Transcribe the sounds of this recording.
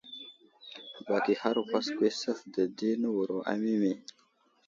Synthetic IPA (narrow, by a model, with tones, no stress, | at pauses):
ba˨kiha˦ɾkaskʷesə˦fd̪ə˨d̪e˦nəwuɾoʔa̰˨mi˦me˨